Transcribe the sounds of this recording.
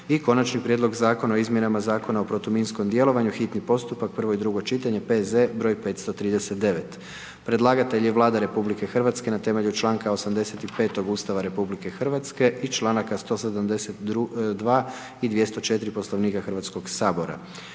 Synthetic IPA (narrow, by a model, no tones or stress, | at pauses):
iko̞nat͡ʃnipɾjed̪lo̞ɡzaːko̞naoizmje̞namazaːko̞naopɾot̪uminsko̞md̪je̞lˠo̞ʋaɲuxit̪nipo̞st̪upak̚pr̩ʋo̞id̪ɾuɡo̞t͡ʃit̪aɲe̞pe̞ze̞bɾo̞ːjpe̞t̪st̪o̞t̪ɾiːd̪ese̞t̪̚d̪e̞ʋe̞t̪ | pɾe̞d̪lˠaːɡat̪e̞ʎje̞ʋlˠaːd̪aɾe̞publike̞xr̩ʋat̪ske̞nat̪e̞me̞ʎut͡ʃlˠaːŋkaosamd̪e̞se̞t̪ipe̞ːt̪o̞ɡuːst̪aʋaɾe̞publike̞xr̩ʋat̪ske̞ʔit͡ʃlˠaːnakast̪o̞sed̪amd̪e̞set̪ud̪ʋaː | id̪ʋjest̪o̞t͡ʃe̞t̪iɾipo̞sloʋniːkaxrʋat̪sko̞ɡsaːbo̞ɾa̰